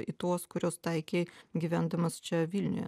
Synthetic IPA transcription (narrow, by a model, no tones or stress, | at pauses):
ḭt̪uɔskʊɾʲoːst̪ɐɪkʲeːɡʲiʋʲænd̪ɐmɐst͡ʃʲɛʋʲilʲnʲʊ̰jɛ̰